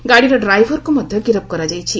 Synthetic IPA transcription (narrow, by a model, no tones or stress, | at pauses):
ɡaɽiɾɔɖɾajʋʱɔɾkomɔd̪ʱjɔɡiɾəp̚kɔɾad͡ʒajt͡ʃʰi